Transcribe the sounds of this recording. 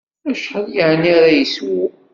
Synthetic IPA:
æʃħəljəʕniaɾajəswi

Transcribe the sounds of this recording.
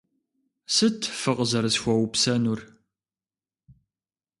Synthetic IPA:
sɨtʰfɨqʼzɐɾɨsxʷɔwpsɐnur

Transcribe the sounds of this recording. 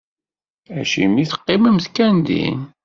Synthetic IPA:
æ̰ʃḭmiθə̥qːɪməmθkːænd̪ḭn

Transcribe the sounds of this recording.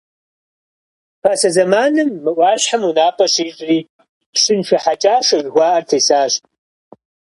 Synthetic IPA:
pʰaːsɐzɐmaːnɨmːɨʔʷɑːɕħamunaːpʰʼɐʂiːɕʼriː | ʂɨnʃʷɐħat͡ʃʼaːʂɐʒɡʷɑːʔɐrtʰɐjsaːɕʼ

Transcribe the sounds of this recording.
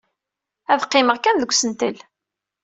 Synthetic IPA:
æðqːɪməʁkænðəɡʷsənt̪ə̰l

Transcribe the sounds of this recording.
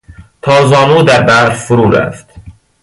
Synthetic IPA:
t̪ʰɒːzɒːnuːd̪æɾbæɾfuɾuːɾæ̰ft̪

